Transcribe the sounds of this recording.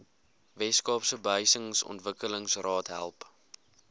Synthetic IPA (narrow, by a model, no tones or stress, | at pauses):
vɛskɑːpsəbəɦœɥsəŋsɔ̰ntvəkələŋsrɑːtɦæ̰lˠp